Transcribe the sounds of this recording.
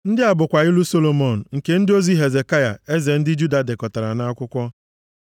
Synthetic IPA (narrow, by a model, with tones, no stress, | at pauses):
n̩˦dɪ˦a˨bʊ˨kʷa˨ɣɪ˦lu˦so˦lo˨mo˨n̩˨ŋ̩˨ke˦n̩˦dɪ˦o˦zi˦ɦe˨ze˨ka˦ja̰˨e˦ze˨n̩˦dɪ˦d͡ʒu˦da˨de˨kɔ˨ta˨ɾa˨na˦a˦kʷʊ˦kʷɔ˦